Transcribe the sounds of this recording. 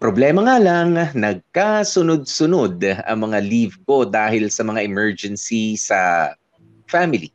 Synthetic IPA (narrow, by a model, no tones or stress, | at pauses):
pɾoblɛmɐŋaːlɐŋnɐɡ̚kasʊnod̪̚sʊnod̪ʔɐ̰ŋmɐŋalivko̞d̪aːhɪlsɐmɐŋaʔɪmɛɹd͡ʒɛnsisɐ | famɪlḭ